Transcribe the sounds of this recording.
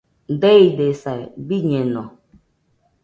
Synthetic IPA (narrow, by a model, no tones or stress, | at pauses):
n̩deidesabiɲenɔ